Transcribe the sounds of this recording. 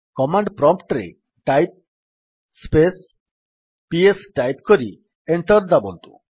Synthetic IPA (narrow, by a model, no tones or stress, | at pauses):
kɔmaɳɖpɾɔmpʰʈɾḛ | ʈajp̚ | spes | piesʈajpkoɾi | eɳʈɔɾd̪abo̰nt̪ṵ